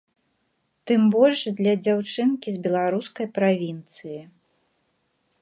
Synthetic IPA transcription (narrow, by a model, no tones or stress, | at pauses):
t̪ɨmbɔlʲʂd̪lʲɐd͡zʲawt͡ʂɨnkʲizbʲɛlˠaɾuskɐjpɾavʲint̪sɨji